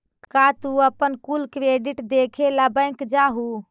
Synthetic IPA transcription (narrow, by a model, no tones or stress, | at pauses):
kat̪uəpənkulkɾeɖiʈd̪ekʰeləbəɪŋkd͡ʒaɦu